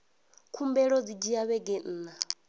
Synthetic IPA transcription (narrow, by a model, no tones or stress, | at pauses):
kʰumbɛɺɔd͡zid͡ʒiaβɛɡɛn̩ːna